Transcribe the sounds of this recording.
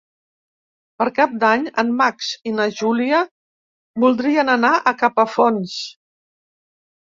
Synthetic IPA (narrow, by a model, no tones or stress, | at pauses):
pəɾkap̚d̪aɲəmːaksinəʒuliə | bulˠd̪ɾiənənaʔəkapəfons